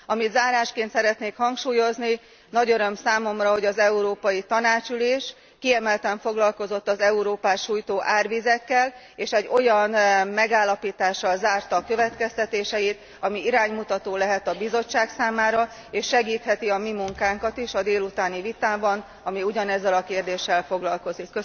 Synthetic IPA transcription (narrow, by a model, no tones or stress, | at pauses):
ɒmit̪zaːɾaːʃkeːnt̪sɛɾɛt̪neːkhɒŋkʃuːjo̞zni | nɒɟøɾø̞msaːmo̞mrɒɦo̞ɟɒzɛuɾoːpɒjit̪ɒnaːt͡ʃyleːʃ | kiɛmɛlt̪ɛɱfo̞ɡlɒlko̞zo̞t̪ːɒzɛuɾoːpaːʃuːjt̪oːʔaːrʋizɛkːɛl | eːʃɛɟːo̞jɒnmɛɡaːlːɒpiːt̪aːʃːɒlzaːrt̪ɒːkø̞vɛt̪kɛst̪ɛt̪eːʃɛit̪ | ɒmiiɾaːɲmut̪ɒt̪oːlɛɦɛt̪ɒbizo̞t͡ʃːaːksaːmaːɾɒ | eːʃːɛɡiːt̪hɛt̪iɒmimuŋkaːŋkɒt̪iʃɒd̪eːlut̪aːnivit̪aːbɒn | ɒmiuɟɒnɛzːɛlɒkeːrd̪eːʃːɛlfo̞ɡlɒlko̞zikːø